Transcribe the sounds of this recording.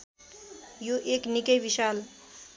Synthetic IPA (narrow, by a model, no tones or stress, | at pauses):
joʔeknikəjʋiʃaːl